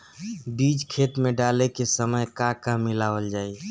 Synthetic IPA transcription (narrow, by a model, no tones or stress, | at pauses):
bid͡ʒkʰet̪mẽɖalekesəməjkakãmːɪlaːʋəld͡ʒaːi